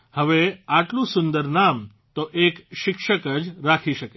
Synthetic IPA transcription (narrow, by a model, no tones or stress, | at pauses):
həʋeaʈlũsund̪əɾnam | t̪oʔekʃikʂəkəd͡ʑɾakʰiʃəke